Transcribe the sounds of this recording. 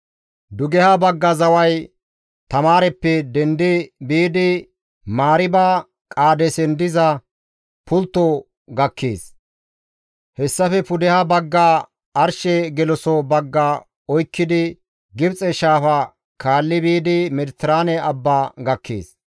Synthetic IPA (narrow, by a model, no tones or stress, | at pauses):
d̪ʊɡɛhɐbɐɡːɐzɐwɐj | t̪ɐmaːɾɛpːɛd̪ɛnd̪ɪbiːd̪ɪ | maːɾɪbaː | kʼaːd̪ɛsɛnd̪ɪzɐ | pʊlt̪ːo | ɡɐkːeːs | hɛsːɐfɛpʊd̪ɛhɐbɐɡːaː | ɐɾʃɛɡɛlɔsɔbɐɡːa | ɔjkːɪd̪ɪ | ɡɪbt͡sʼɛʃaːfɐ | kʰaːlːɪbiːd̪ɪmɛd̪ɪt̪ːɪɾaːnɛɐbːaːɡɐkːḛːs